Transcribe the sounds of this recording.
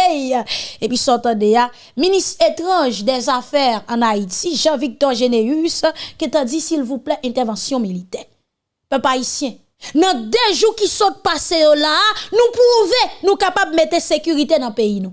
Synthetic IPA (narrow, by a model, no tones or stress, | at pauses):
jepɥisɔt̪ɑ̃d̪ea | ministet̪ʁɑ̃ʒd̪ɛzafɛʁɐ̃naitiʒɑ̃vik̚t̪ɔʁʒeneysket̪ɐ̃d͡zisilvuplɛʔɛ̃t̪ɛʁvɑ̃sjɔ̃milit̪ɛʁ | pøpaisjɛ̃ | nɐ̃d̪øʒukisɔt̪̚pasejolanũpuvenũkapabmet̪esekyʁit̪enɐ̃peinũ